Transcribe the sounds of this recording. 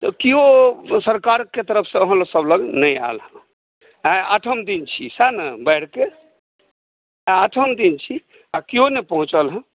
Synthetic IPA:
t̪ɔkiɦosəɾkaɾket̪əɾəpʰsə̃əɦə̃lsəbləɡnəja̰lɦə̃ | aaʈʰəmd̪int͡ʃʰisanəbəɪɽ̤ke | aʈʰəmd̪int͡ʃʰi | akiɦonepəɦũt͡ʃəlɦə̃

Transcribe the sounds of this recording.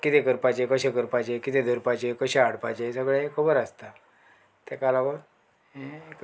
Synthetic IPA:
kit̪ekəɾpat͡ɕekəɕekəɾpat͡ɕekit̪ed̪ʱəɾpat͡ɕekəɕeaɽpat͡ɕesəɡɭekʰəbəɾast̪a | t̪akalaʋəɾ | ek

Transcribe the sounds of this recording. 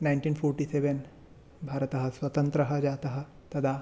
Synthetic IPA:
najɳʈiːnpʰoːɾʈiːseʋen | bʱaːɾɐt̪ɐɦɐ̆swɐt̪ɐnt̪ɾɐɦɐ̆d͡ʒaːt̪ɐɦɐ̆ | t̪ɐd̪ʱaː

